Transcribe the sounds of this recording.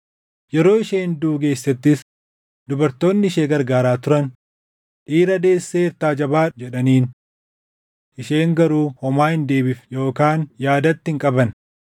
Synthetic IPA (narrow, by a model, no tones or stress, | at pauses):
jɛɾo̞ːɪʃeːnd̪uːke̞ːsːɐt̪ːɪs | d̪̥ʊbɐɾt̪o̞ːnːɪɪʃeːɡɐɾɡaːɾaːt̪ʊɾɐn | ᶑiːɾɐd̪e̞ːsːeːɪɾt̪aːd͡ʒɐbaːd͡ʒɛᶑɐniːn | ʔɪʃe̞ːŋɡɐɾuːhɔmaːhɪnd̪e̞ːbɪfjo̞ːkaːnjaːd̪ɐt̪ːhɪŋkʼɐbɐn